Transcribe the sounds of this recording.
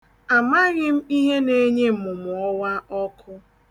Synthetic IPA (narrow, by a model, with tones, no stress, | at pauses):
a˨ma˦ɣɪ˦m̩˦i˦ɦe˦ne˦ɲe˦˨mʊ˨mʊ˨ɔ˦wa˦ɔ˦kʊ˦